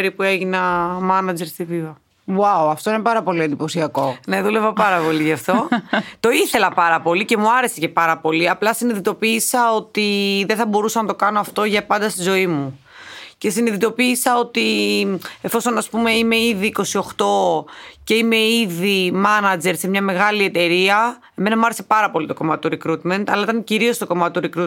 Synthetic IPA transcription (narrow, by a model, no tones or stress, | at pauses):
ɾipue̞ʝinɐmɐnɐd͡ze̞ɾst̪ivivɐ | wawɐft̪o̞inepɐɾɐpo̞liend̪ipo̞siɐko̞ne̞ðulevɐpɐɾɐpo̞liʝɐft̪o̞t̪o̞iθe̞lɐpɐɾɐpo̞lice̞muɐɾe̞sece̞pɐɾɐpo̞liɐplɐsiniðit̪o̞piːsɐo̞t̪iðeθɐbo̞ɾusɐnɐt̪o̞kɐno̞ɐft̪o̞ʝɐpɐnd̪ɐst̪izo̞imu | ce̞siniðit̪o̞piːsɐo̞t̪i | e̞fo̞so̞nɐspume̞ime̞iðiːko̞sio̞xt̪o̞ce̞ime̞iðimɐnɐd͡ze̞ɾsemɲɐme̞ɣɐlie̞t̪e̞ɾiɐ | e̞me̞nɐmuɐɾesepɐɾɐpo̞lit̪o̞ko̞mɐt̪oɾikɾut̪me̞nt̪ɐlɐit̪ɐnciɾio̞st̪o̞ko̞mɐt̪et̪oɾikɾut̪